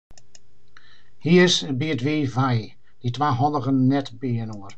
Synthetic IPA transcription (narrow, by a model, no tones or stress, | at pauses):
hiːəsəbiːədveːvaj | d̥idʰvaːɦɔlˠəχənːɛtbeːənuːr